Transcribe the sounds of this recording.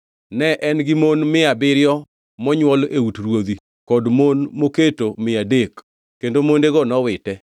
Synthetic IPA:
nɛʔɛnɡɪmonmɪabɪɾjɔ | mɔɲwɔleutɾwod̪i | kɔdmonmoketomɪadek | kendomondeɡɔnɔwɪtɛ

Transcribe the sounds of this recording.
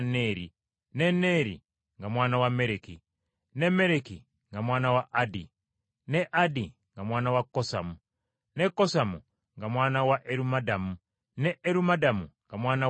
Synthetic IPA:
neɾi | nene̞ːɾḭ | ŋɡamwaːnawameɾeki | neme̞ɾeki | ŋɡamwaːnawaʔadi | neʔadiŋɡamwaːnawakːosamu | nekːosamu | ŋɡamwaːnawaʔeɾumadamu | neʔeɾumadamuŋɡamwaːna

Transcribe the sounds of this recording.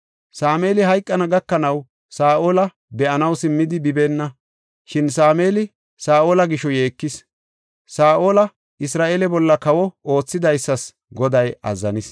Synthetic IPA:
saːme̞ːlɪɦɐjkʼːɐnɐɡɐkːɐnɐw | saːʔo̞ːlɐ | bɛʔɐnɐwsɪmːɪd̪ɪbɪbeːnːɐ | ʃɪnsaːmeːlɪ | saːʔo̞ːlɐɡɪʃɔje̞ːkːɪs | saːʔoːlɐ | ɪsɾaːʔeːlɛbɔlːɐkɐwɔo̞ːt͡sːɪd̪ɐjsːɐs | ɡɔd̪ɐjɐ̰zːɐnɪs

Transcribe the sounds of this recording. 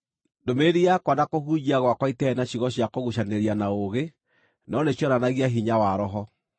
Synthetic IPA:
ndomeɾiakwanakohuɲiaɣwakwaitɛnaɕiɣɔɕjakoɣuʃaneɾianaoɣe | nɔneɕɔɾanaɣiaɦiɲawaɾɔɦɔ

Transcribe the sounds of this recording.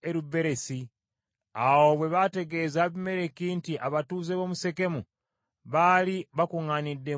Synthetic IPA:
eɾube̞ɾesi | awoβwe̞βate̞ɡe̞zaβime̞ɾe̞kiːntiʔaβatuːzeβo̞ːmuse̞ke̞mu | βaliβakuŋanidːe̞

